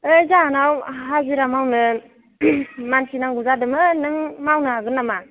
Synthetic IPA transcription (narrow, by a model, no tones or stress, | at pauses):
ɯjzaanawɦaziɾamawnɯ | mansinaŋɡuzadɯmɯnɯŋmawnɯɦaɡɯnːama